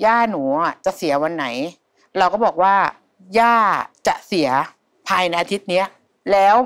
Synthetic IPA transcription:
jaː˥˩nu˩˦a˨˩t͡ɕa˨˩ʔsi˩˦wa˧nːa˩˦j | ɾa˧wkɔː˥˩bɔː˨˩k̚waː˥˩ | jaː˥˩t͡ɕa˨˩ʔsi˩˦ɐ | pʰaː˧jna˧ʔa˧t̪ʰi˦˥t̪̚ni˦˥ɐ | lɛː˦˥w

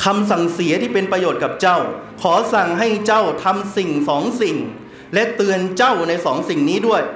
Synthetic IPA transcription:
kʰa˧msa˨˩ŋsi˩˦ɐt̪ʰiː˥˩pe˧npɾa˧joː˨˩t̪̚ka˨˩p̚t͡ɕa˥˩wkʰɔː˩˦sa˨˩ŋɦa˥˩jt͡ɕa˥˩wt̪ʰa˧msi˨˩ŋsɔː˩˦ŋsi˨˩ŋ | lɛ˦˥t̪ɯ˧ənt͡ɕa˥˩wna˧jsɔː˩˦ŋsi˨˩ŋniː˦˥du˥˩əj

